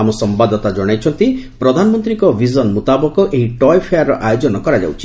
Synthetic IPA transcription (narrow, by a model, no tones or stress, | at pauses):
amɔsɔmbad̪ɔt̪ad͡ʒɔɽ̃ajt͡ʃʰɔnt̪ipɾɔd̪ʱanɔmɔnt̪ɾiŋkɔbʱizɔnmut̪abɔkɔʔeɦiʈɔjpʰejaɾːɔʔajod͡ʒɔnɔkɔɾad͡ʒa̰wt͡ʃʰi̥